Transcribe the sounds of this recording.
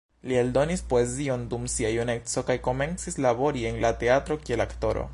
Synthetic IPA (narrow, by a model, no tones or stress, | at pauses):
lie̞ldo̞nispo̞e̞zio̞ndumsiajune̞kt͡so̞kajko̞me̞nt͡sislabo̞ɾie̞nlate̞atɾo̞kie̞lakto̞ɾo̰